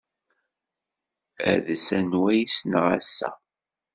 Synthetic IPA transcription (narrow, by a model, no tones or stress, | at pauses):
æ̰ðsænwæjisnʁæsːæ̰